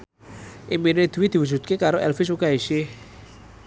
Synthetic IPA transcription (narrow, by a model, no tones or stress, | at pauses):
ʔimined̪̥ṳwid̪̥i̤wud͡ʒ̥ṳt̪̚kekaɾoʔɛlfɪs̬ukaisɪ